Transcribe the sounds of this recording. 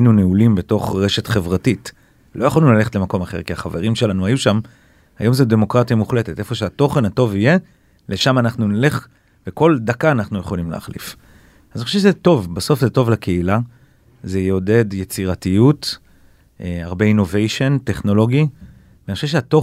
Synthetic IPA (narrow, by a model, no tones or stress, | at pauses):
inuneulimbe̞to̞χʁe̞ʃe̞tχe̞vʁatit | lo̞jaχoalinulaleχtlemako̞maχe̞ʁkiaχaveʁimʃe̞lanuajuʃam | ha̰jo̞mzede̞mo̞kʁatijamuχle̞tetʔe̞fo̞ʃeato̞χe̞nhato̞vije̞ | leʃamanaχnunile̞χ | veko̞ldakaːnaχnuje̞χo̞limlḛːχlḭf | azanioʃevʃezto̞vbaso̞fzeto̞vlake̞ila | zejo̞de̞djet͡siʁatijut | ʔeaʁbeino̞vejʃo̞nte̞χno̞lo̞ɡi | vanioʃevʃeato